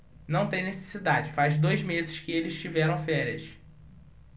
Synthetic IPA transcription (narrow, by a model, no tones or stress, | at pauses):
nɐ̃w̃t̪ẽj̃nese̥sid̪ad͡ʒɪfazd̪ojzmezɪʃkɪelɪzʃt͡ʃivɛɾɐ̃w̃fɛɾiɐs